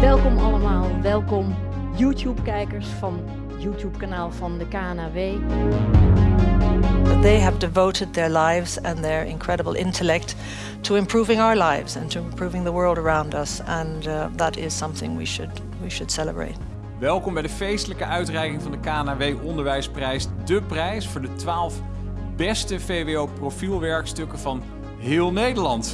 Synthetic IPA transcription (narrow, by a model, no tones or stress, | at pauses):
ʋɛlˠkɔmɑləmaːlˠʋɛlˠkɔm | jutjupkɛjkəɹsfɑn | jutjupkanaːlˠvɑndəkaːnaveː | ðeɪəvdɨvoʊɾɨd̪̚ðə˞laɪvzɨ̃nðə˞ʔɪ̰̃nkʰɹ̥ɛɾəbl̩ˠʔɪ̰̃ntʰəlɛk̚t | tʰːəɨ̃mpʰɹ̥uvɪ̃ŋaʊə˞laɪvz̥ɨ̰̃ntʰɨɪ̃mpʰɹ̥uvɪ̃ŋðəwɜ˞lˠdə˞ãʊ̃ndʌsə̃nðəɾɪz̥sʌ̃mθɪ̰̃ŋwḭʃɨ̰d | wiʃɨd̥sɛlˠəbɹḛɪt̚ | ʋɛlˠkɔmbɛjdəfejstələkəʔœɥtrɛjkɪŋvɑndəkaːnavejʔɔndəɹʋɛjsprɛjsdəprɛjsfʊːɹdətʋaːlˠf | bɛstəfejʋeoːprofilˠʋɛɹkstɵkəvɑn | ɦɪːlˠnejdəɹlɑnt